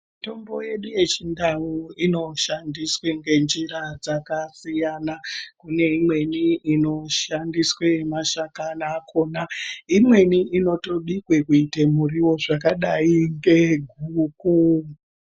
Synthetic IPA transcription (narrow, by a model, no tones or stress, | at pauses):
mito̞mbo̞je̞ɗuje̞t͡ʃindauino̞ʃandisweŋɡe̞nd͡ʒiɾad͡zakasijanakune̞imwe̞niino̞ʃandiswemaʃakanakʰo̞naimwe̞niʔino̞to̞ɗikwe̞kuitemuriwo̞ʐakaɗaiŋɡe̞ɡʱuːku